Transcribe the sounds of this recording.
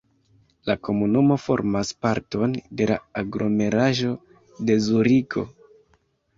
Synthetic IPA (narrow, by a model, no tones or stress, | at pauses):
lako̞munumo̞fo̞̰ɾmaspaɾto̞nde̞la̰aɡɾʔo̞me̞ɾaʒo̞ | de̞zuɾikʰo̞̰